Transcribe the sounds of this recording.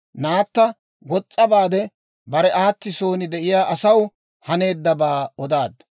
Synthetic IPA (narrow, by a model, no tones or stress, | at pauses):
naːt̪ːɐ | ɡɔt͡sʼːɐbaːd̪ɛ | bɐɾɛʔaːt̪ːɪso̞ːnɪd̪ɛʔɪjaːʔɐsɐw | hɐne̞ːd̪ːɐbaːɔd̪aːd̪